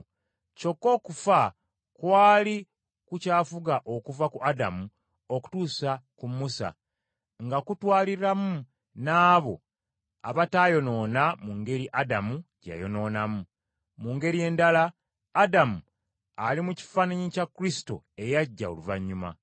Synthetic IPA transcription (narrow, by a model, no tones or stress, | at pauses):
co̞kːo̞ːkufa | kwaːli | kucaːfuɡaʔo̞kuvakuʔadamu | o̞ku̥tuːsakumːusa̰ | ŋɡakutwaːliɾamu | naːβo̞̰ | aβatajo̞no̞ːnamuŋɡe̞ɾiʔadamuɟa̰jo̞no̞ːnamu | muŋɡe̞ɾije̞ːndalaː | damu | alimuci̥faːnaɲicakːuɾisi̥to̞̰ | e̞jaɟːa̰o̰luva̰ɲːuma̰